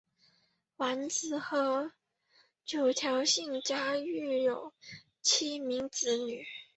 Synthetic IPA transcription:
wa˧˥nt͡sɹ̩˨˩xɤ˧˥ | t͡ɕjo˨˩ʊt̪ʰjɑ˧˥ʊɕi˥˩ŋt͡ɕja˥y˥˩jo˨˩ʊ | t͡ɕʰi˥mi˧˥ŋt͡sɹ̩˧˥ny˨˩

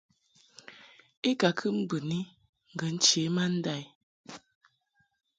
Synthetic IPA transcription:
e˦ka˨kʰɨ˦m̩˦bɨ˨ni˦ | ŋ̩˨ɡə˨˦n̩˦t͡ʃeː˨˦ma˦n̩˦da˦˨j

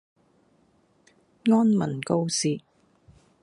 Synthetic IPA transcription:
ŋɔː˥nmɐ˨˩nko˧wsiː˨

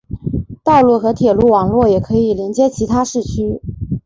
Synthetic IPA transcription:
t̪ɑ˥˧ʊlu˥˩xɤ˧˥t̪ʰjɛ˨˩lu˥˩wɑ˨˩ŋlwɔ˥˩jɛ˨˩kʰɤ˧˥i˨˩ljɛ˧˥nt͡ɕjɛ˥t͡ɕʰi˧˥t̪ʰa˥ʂɻ̩˥˩t͡ɕʰy˥

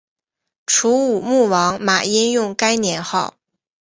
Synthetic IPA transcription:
ʈ͡ʂʰu˧˥u˨˩mu˥˩wɑ˧˥ŋma˨˩i˥njʊ˥˩ŋka˥ɪnjɛ˧˥nxɑ˥˩ʊ

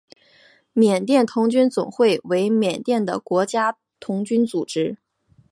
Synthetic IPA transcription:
mjɛ˨˩nt̪jɛ˥˩nt̪ʰʊ˧˥ŋt͡ɕy˥nt͡sʊ˨˩ŋxwe˥˩ɪwe˧˥ɪmjɛ˨˩nt̪jɛ˥˩nd̪ə̰˩kwɔ˧˥t͡ɕja˥ | t̪ʰʊ˧˥ŋt͡ɕy˥nt͡su˨˩ʈ͡ʂɻ̩˥

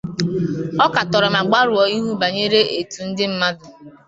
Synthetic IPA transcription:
ɔ˦ka˨tɔ˨ɾɪ˨ma˨ɡ͡ba˦ɾʊ˨ɔ˨i˦ɦu˦ba˨ɲe˦ɾe˦ʔe˨tu˨n̩˦dɪ˦m̩˦ma˦dʊ˨

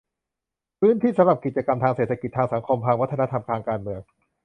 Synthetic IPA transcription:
pʰɯː˦˥nt̪ʰiː˥˩sa˧˦mɾa˨˩p̚ki˨˩t̪̚t͡ɕa˧ka˧mt̪ʰaː˧ŋse˨˩a˧ki˨˩t̪ʰːaː˧ŋsa˩˦ŋkʰo˧mpʰaː˧kŋwa˦˥t̪ʰːa˧na˦˥t̪ʰa˧mkʰaː˧ŋkaː˧nmɯ˧əŋ

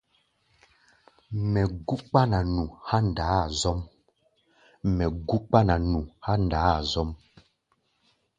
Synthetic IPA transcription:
mɛ˨ɡu˦k͡pa˦na˨nu˨ha˦n˨daː˨˦˨zɔ˦m | mɛ˨ɡu˦k͡pa˦na˨nu˨ha˦n˨daː˨˦a˨zɔ˦m

